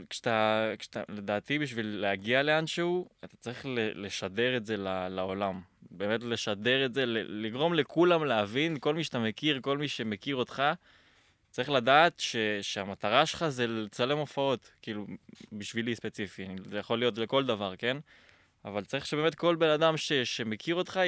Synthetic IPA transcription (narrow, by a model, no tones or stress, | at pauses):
kʃat̪akʃt̪a̰le̞d̪aːt̪ibiʃvilːeaɡiale̞anʃehuat̪ḁt͡saʁiχlele̞ʃade̞ʁe̞tze̞lalao̞lambe̞ːme̞tle̞ʃade̞ʁetzelḛliɡʁo̞mle̞kulamleavinko̞lmiʃatamekiʁko̞lmiʃe̞mekiʁo̞t̪χa | t͡saʁiχladaːt̪ʃe̞ʃeamat̪aʁaʃelχaze̞lt͡sale̞mo̞fao̞tkiːlubiʃvilispe̞t͡sifianijaχo̞lijo̞tle̞ko̞ld̪avaʁke̞n | a̰valt͡saʁiχʃebeːme̞t̚ko̞lbe̞nad̪amʃe̞ʃe̞me̞kʰiʁo̞t̪χa